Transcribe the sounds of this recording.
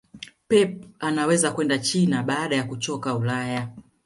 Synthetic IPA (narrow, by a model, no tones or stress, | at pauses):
pɛpanawɛzakwɛndat͡ʃinaɓaːɗajakut͡ʃɔkaulaja